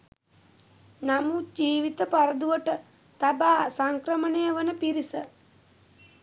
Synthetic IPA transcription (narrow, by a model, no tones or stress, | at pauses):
namud͡ʒiːʋit̪əpaɾəd̪uʋəʈə | t̪abaːsaŋkɾəmənejəʋənəpiɾisə